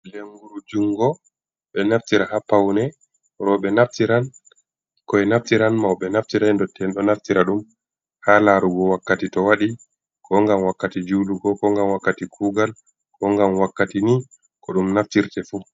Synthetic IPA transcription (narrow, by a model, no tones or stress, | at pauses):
leŋɡuɾud͡ʒuŋɡɔ | ɓɛnaftiɾahapawnɛ | ɾɔɓɛnaftiɾan | kɔɛnaftiɾanmawɓɛnaftiɾandɔtʰːɛnɗɔnaftiɾaɗum | halaɾuɡɔwakːatitɔwaɗi | kʰɔŋɡamwakːatid͡ʒuluɡɔkɔŋɡamwakːatikʰuːɡal | kɔŋɡamwakːatini | kɔɗumnaftiɾtɛfu